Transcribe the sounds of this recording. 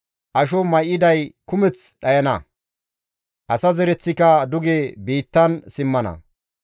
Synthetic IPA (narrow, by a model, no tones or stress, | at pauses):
ʔɐʃ̬ɔmɐjɪd̪ɐjkʊmɛt͡sɗɐjɐnɐ | ʔɐsɐzɛɾɛt͡sːɪkɐd̪ʊɡebiːt̪ːɐnsɪmːɐnɐ̰